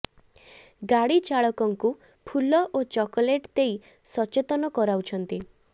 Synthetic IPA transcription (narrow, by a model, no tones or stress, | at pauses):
ɡaɽit͡ʃaɭɔkɔŋku | pʰulɔʔot͡ʃɔkɔleʈt̪ei | sɔt͡ʃet̪ɔnɔkɔɾawt͡ʃʰɔnt̪i